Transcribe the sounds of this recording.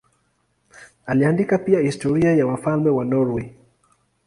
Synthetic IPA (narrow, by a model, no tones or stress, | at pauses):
aliandikapiahistɔɾiajawafalmɛwanɔɾwi